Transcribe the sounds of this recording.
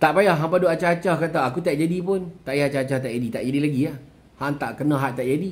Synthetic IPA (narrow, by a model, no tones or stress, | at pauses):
t̪aʔpajaɦampadoat͡ʃaat͡ʃahkat̪̬aakut̪aʔd͡ʒadipʊnt̪aʔjat͡ʃat͡ʃaht̪aʔd͡ʒadit̪aʔd͡ʒadilaɡiah | haŋt̪aʔkənãɦaʔt̪aʔd͡ʒadi